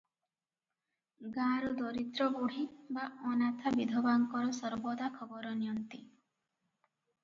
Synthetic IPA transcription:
ɡãɾɔd̪ɔɾit̪ɾɔɡoɽ̤ibaɔnat̪ʰabid̪ʱɔbaŋkɔɾɔsɔɾbɔd̪akʰɔbɔɾɔnijɔnt̪i

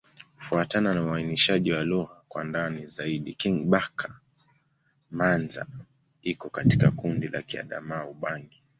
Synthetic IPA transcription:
kufuatananauainiʃaʄiwaluɣakwandanizaiɗḭkiŋɓakʰa | manza̰ | ikɔkatikakundila̰kia̰ɗa̰maːuɓaŋɡi

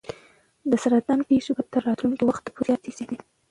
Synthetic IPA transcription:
d̪əsaɾat̪lɑnpeʃobat̪əɾːɑt̪lunkiwaxt̪̚ːəpoɾjɑt̪iseni

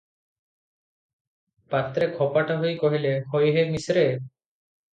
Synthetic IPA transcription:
pat̪ɾekʰɔpaʈaɦojkɔɦilehojɦemisɾe

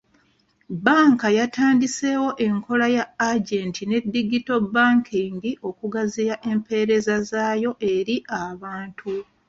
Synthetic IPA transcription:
baːŋkajatʰaːndise̞wo̞ʔe̞ŋkʰo̞lajaaɟeːntine̞dːiɡito̞bːaːŋkʰiŋɡiʔo̞kuɡaziɾaʔe̞mpe̞ɾe̞zazaːjo̞ʔe̞ɾiʔaβaːntʰu

